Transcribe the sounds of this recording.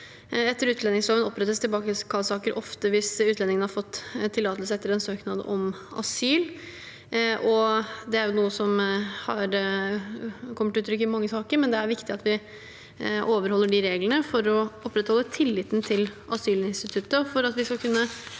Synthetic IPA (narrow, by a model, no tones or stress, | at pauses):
ɛt̪ːəɾʉːt̪lɛnɪŋsɔʋənɔpːɾɛt̪ːəst̪ʰɪlbɑːkəkʰɑlsɑːkəɾʔɔft̪əʋɪsʉːt̪lɛnɪŋənəhɑɾfɔt̪ːt̪ʰːɪlːɑːt̪əls̬əɛt̪ːəɾɛnsøːknɑd̪ʔɔm | ɑ̰syːl | ʔɔd̪ɛæɾjʊnuːəsɔmhɑɾ | kʰɔmːəʈʉːt̪ɾʏkːəɪmɑŋːəsɑːkəɾmɛnd̪ɛæɾʋɪkt̪ɪɑt̪ʋɪ | ʔoːʋəɾhɔlːəɖɪɾeːɡlənəfɔɾɔɔpːɾɛt̪hɔlːət̪ʰɪlːɪt̪n̩t̪ʰɪlʔɑsyːlɪnst̪ɪt̪ʰʉt̪ːəfɔɾɑt̪ʋɪskɑlkʰʉnːə